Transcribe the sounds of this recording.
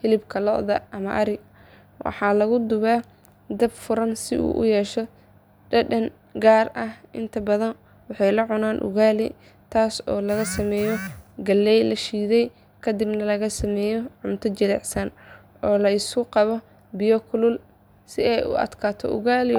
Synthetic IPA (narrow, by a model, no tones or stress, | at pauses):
hɪlɪbkʰɐlɔ̰ʔðɐ̰ɐmɐʔɐɾɪ | wʔɑ̰ħɑːlɐɣʊd̪ʊβaː | d̪ɐbfʊɾɐnsɪ̰ʔṵːʔʊ̰jɛːʃɔ | ɖɐɖɐn | ɡaːrɐhʔɪ̰nt̪ʰɐbɐðɐn | wɑħɑjlɐʕʊnaːnʔʊ̰ɣaːlɪ̰ | t̪ʰaːsɔːlɐɣɐsɐmɛːjɔɡɐlːɛjlɐʃiːðɛj | kʰɐd̪ɪbnɐlɐɣɐsɐmɛːjɔʕʊmt̪ʰɐt͡ʃɐðɛ̰ʕsɐn | ʔɔːlɐɪskʊqɑβɔ | bɪjɔkʰʊlʊl | sɪɛjʊ̰ɐ̰d̪kʰaːt̪ʰɔ̰ʔʊ̰ɣaːlɪ